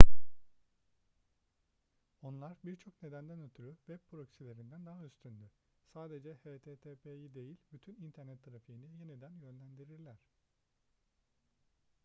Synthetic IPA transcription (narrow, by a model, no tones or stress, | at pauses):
o̞nlˠaɾbiɾt͡ʃʰo̞kne̞d̪ænd̪ænøt̪ʰyɾyvɛpʰɾo̞csilʲe̞ɾind̪ænd̪aɦayst̪ʰynd̪ʲy | saːd̪e̞d͡ʒɛheːt̪ʰeːt̪ʰepʰejid̪e̞jilʲbyt̪ʰynint̪ʰæɾnɛt̪ʰːaɾafijinije̞nid̪ænjø̞nlʲænd̪iɾiɾlʲæɾ̝̥